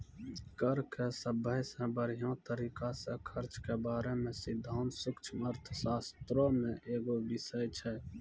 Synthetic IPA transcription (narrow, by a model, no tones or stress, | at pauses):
kəɾkʰesəbəjsẽbəɾijõt̪əɾiːkasekʰəɾt͡ʃkebaːɾemẽsɪd̪ʱːaːnsʊkt͡ʃʰməɾt̪ʰsaːst̪ɾõmẽʔeːɡoʋɪsəjt͡ʃʰɛː